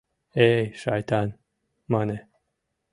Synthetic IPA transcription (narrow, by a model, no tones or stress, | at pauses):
ejʃajt̪ʰan | mane